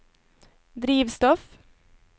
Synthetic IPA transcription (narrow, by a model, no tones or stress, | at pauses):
d̪ɾiːʋst̪ɔf